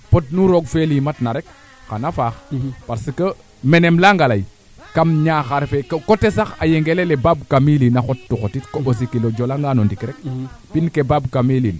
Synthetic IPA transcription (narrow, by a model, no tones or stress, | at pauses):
pot̚nuɾoɡfelimatnaɾɛk | xanafaːxpaɾsəkə | mɛnemlaŋɡalaj | kamɲaːxaɾfekkotesaxajeŋɡelelɛbabkamilinaxɔttːuxotitkobos̬ikilod͡ʒɔlaŋɡanɔndikɾɛk̚pinkebabkamilin